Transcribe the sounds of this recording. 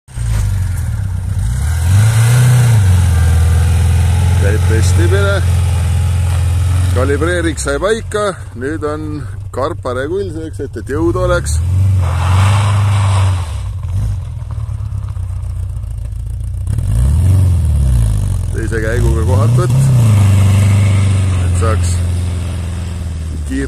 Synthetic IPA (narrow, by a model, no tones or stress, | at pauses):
kæjb̥pe̞st̪imine | kɑlʲibre̞ːɾiksɑjpɑjkːˑɑ | nyːd̪o̞n | kɑrpˑːɑɾekujlʲseːkse̞t̪ːˑet̪jɤwd̪̥o̞le̞ks | t̪e̞jse̞kæjɡ̥uɡ̥ɑko̞ɦɑt̪vɤt̪ːˑ | et̪sɑːks | kiː